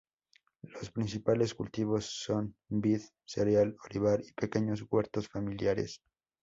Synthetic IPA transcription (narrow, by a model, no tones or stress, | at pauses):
lospɾinsipale̞skult̪iβo̞sːo̞nbið | seɾjaloliβ̞aɾipe̞ke̞ɲo̞zɣwe̞ɾt̪o̞sfamiljaɾe̞̰s